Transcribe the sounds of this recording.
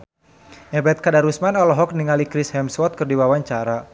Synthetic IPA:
ʔɛbɛt̪̚kadaɾusmanɔlɔɦɔk̚niŋalikɾishɛmswɔt̪̚kɨrdiwawaɲt͡ʃaɾa

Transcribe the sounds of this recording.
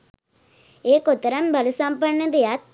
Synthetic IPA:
eːkɔt̪ːɐɾɐmbɐlɯsaːmpɐɳːɐd̪ɐjaːt̪

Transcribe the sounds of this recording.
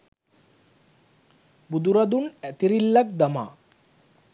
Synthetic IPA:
bud̪uɾad̪unɛt̪iɾilːak̚ʰd̪ama̰

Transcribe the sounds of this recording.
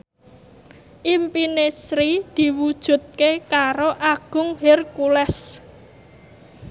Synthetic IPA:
ʔimpinesɾid̪̥i̤wud̥ʒ̥ṳt̪̚kekaɾoʔaɡ̥ʊ̤ŋɦerkulɛs

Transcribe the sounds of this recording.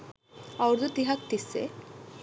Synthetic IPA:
ɐwɾd̪ut̪iɦak̚t̪isːḛ

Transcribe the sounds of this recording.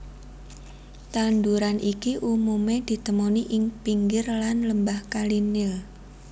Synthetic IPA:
t̪and̪uɾanʔikiʔumumed̪̥i̤t̪əmoniʔɪŋpiŋɡɪrlanləmbahkalinɪl

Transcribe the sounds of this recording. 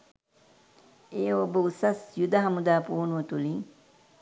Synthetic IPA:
eːobəusɐsjud̪ɐɦɐmud̪aːpuːnuʋɐt̪uliŋ

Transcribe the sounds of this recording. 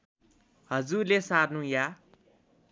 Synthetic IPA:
hʌd͡zurlesaɾnũja

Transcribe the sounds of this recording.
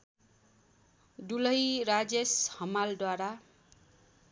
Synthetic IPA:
dulʌjɾad͡zeshʌmald̪waɾa

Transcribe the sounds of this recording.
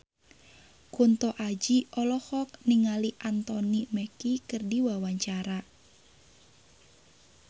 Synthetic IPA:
kunt̪ɔʔad͡ʒiʔɔlɔhɔk̚niŋaliʔant̪ɔniməkikɨrdiwawaɲt͡ʃaɾa

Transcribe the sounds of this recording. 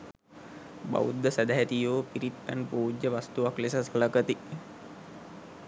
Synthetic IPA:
ba̰ud̪ːəsæd̪æɦæt̪ijoːpiɾit̪̚pænpuːd͡ʒːəʋast̪uʋaklesəsələkət̪i

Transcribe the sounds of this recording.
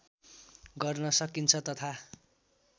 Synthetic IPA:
ɡʌrnʌsʌkint͡sʰʌt̪ʌt̪ʰa

